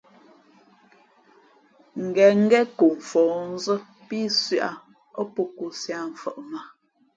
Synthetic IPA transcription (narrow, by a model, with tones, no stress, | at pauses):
ŋ̩˨ɡɛ˨ŋ̩˦ɡɛ˦ku˨ɱ̩˨fɔː˨n̩˦zə˦ | pi˦sɥʔa̰˨ | ɔ˦pu˦ku˦sja˨m̩˨fə˨ʔma˨